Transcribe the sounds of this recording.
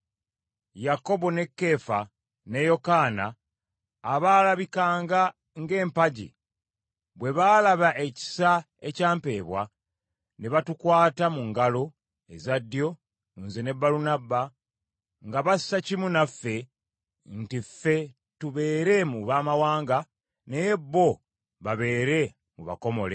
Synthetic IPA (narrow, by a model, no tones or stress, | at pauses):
jako̞βo̞ne̞kːe̞ːfa | ne̞jo̞kaːnaː | βaːlaβikaːŋɡa | ŋɡe̞ːmpaɟḭ | βwe̞βaːlaβaʔe̞ci̥sa | e̞caːmpe̞ːβwa̰ | neβatukwaːtamuŋɡalo̞ | e̞zadːjo̞ | unzene̞bːalunabːa | ŋɡaβassacimunafːe̞ | ntifːe̞ | tuβe̞ːɾe̞muβaːmawaːŋɡa | nejebːo̞ | βaβe̞ːɾe̞ | muβa̰ko̞mo̞̰le̞̰